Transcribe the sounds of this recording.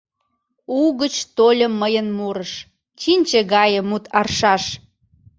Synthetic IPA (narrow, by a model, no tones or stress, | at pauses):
uɣət͡ɕt̪olʲəmːəjənmuɾəʃ | t͡ɕinʲt͡ɕeɣɑjə̆mut̪ʰɑrʃɑʃ